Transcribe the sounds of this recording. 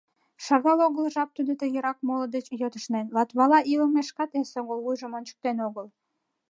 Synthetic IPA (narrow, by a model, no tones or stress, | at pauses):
ʃɑɣɑloɣəlʒɑp̚t̪ud̪ot̪əjəɾɑk̚moləd̪et͡ɕjøt̪əʃnenlɑt̪βɑlɑʔiləmeʃkɑt̪esoɣolβujʒə̆monʲt͡ɕə̥k̚t̪enoɣəl